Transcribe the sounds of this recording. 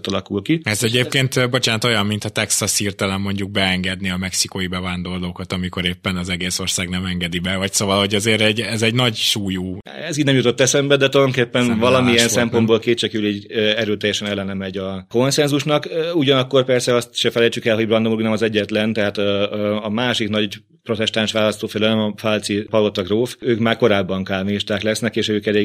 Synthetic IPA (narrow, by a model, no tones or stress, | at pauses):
t̪ɒlɒkulkiɛzɛɟeːp̚keːnt̪bo̞t͡ʃaːnt̪o̞jɒmːint̪ɒt̪ɛksɒshiːrt̪ɛlɛmːo̞ɲɟuɡ̚bɛɛŋɡɛd̪niɒmɛksikojibɛvaːnd̪o̞rloːkɒt̪ɒmiko̞ɾeːpːɛnɒzɛɡeːso̞rsaːɡnɛmɛŋɡɛd̪ibɛvɒcsoːvɒlho̞ɟɒzeːɾɛɟɛzɛɟnɒɟʃuːjuː | ɛziːdnɛmjut̪o̞t̪ːɛsɛmbɛd̪ɛt̪od̪oŋkeːpːɛnvɒlɒmiɛnsɛmpo̞nbolkeːt͡ʃɛkyliɟɛɾøːt̪ɛjːɛʃɛnɛlːɛnɛmɛɟɒko̞nsɛnzuʃnɒkuɟɒnɒkːo̞rpɛrsɛɒst̪ʃɛfɛlɛjt͡ʃykɛlɦo̞ɟbrɒnd̪omuɾuɡnɛmɒzɛɟːɛt̪lɛnt̪ɛɦaːt̪ɒmaːʃiknɒɟ | pɾo̞t̪ɛst̪aːnʃʋaːlɒst̪oːfɛlølɛmɒfalt̪sipɒlot̪ɒɡroːføːkmaːrko̞ɾaːbːɒŋkaːlmiiʃt̪aːklɛsnɛkeːʃøːkɛleːɡ